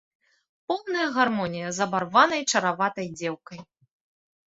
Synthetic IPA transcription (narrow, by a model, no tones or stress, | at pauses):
pɔwnɐjɐɣarmɔnʲijɐzɐbarvanɐjt͡ʂɐɾavat̪ɐjd͡zʲɛwkɐj